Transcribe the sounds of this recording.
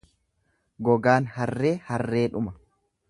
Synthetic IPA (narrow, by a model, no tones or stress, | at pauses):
ɡɔɡaːnhɐrːe̞ːhɐrːe̞ːᶑʊmɐ